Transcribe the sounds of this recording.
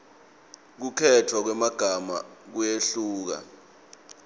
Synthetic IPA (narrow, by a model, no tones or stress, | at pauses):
k̬ukʰɛtʰwak̬wɛmaɡ̥ʱama̰k̬ujeɬuːk̬a̰